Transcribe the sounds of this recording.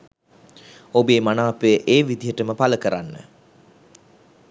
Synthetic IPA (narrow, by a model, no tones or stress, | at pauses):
obeːmanaːpəjəʔeːʋid̪ijəʈəməpaləkəɾanːə̰